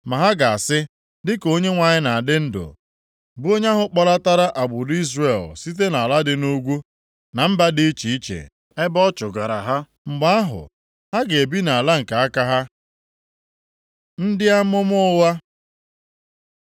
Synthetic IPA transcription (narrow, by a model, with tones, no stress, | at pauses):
ma˨ɦa˦ɡa˨a˨sɪ˦ | dɪ˦ko˦ɲe˦ŋʷa˨ɲɪ˦na˨a˨dɪ˦n̩˦dʊ̰˨ | bu˦o˦ɲ˦a˦ɦʊ˦k͡pɔ˨la˦ta˦ɾa˦ʔa˨ɡ͡bʊ˨di˦zre˨lsi˦t̬e˦na˨la˦dɪ˨nu˦ɡʷu˦ | na˨m̩˦ba˦dɪ˦i˦t͡ʃi˨i˦t͡ʃḛ˨ | e˦bɔ˦t͡ʃʊ˨ɡa˨ɾa̰˨ɦa˦ | ŋ͡m̩˨ɡ͡ba˦a˦ɦʊ̰˨ | ha˦ɡe˨e˨bi˦na˨la˦ŋ̩˨ka˨a˦ka˦ɦa˦ | n̩˦dɪ˦a˦mʊ˦m˦ʊ˦wa˦